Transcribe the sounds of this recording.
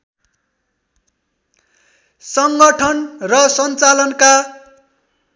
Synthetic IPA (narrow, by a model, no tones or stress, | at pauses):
sʌŋɡʌʈʰʌnrʌsʌnt͡salʌnka